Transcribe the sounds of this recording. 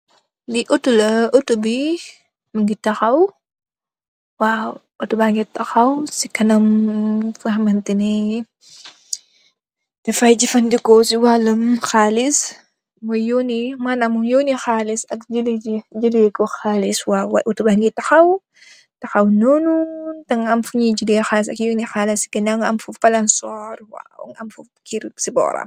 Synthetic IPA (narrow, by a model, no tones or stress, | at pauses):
diʔutulɐutubi | mɐŋɡitɐxɐw | wa | utubaŋɡitɐxɐwsikɐnɐmfɐhmɐntinɛ | tɛfɐjd͡ʒifɐndikɔsiwalɐmxaːlis | wɐjonimanɐmumjoːnixaːlisɐkd͡ʒilid͡ʒid͡ʒəlikɔxaːliswawa̰ʔutubahŋɡitɐxɐw | tɐxɐwnonutɐŋɐmfuɲid͡ʒilixalis̬ɐkjoːnixalisi̥kɐnaŋɐmfufɐlɐnsɔɾwa̰ṵŋɐmfu | kiɾsibɔ̰ːɾɐ̰m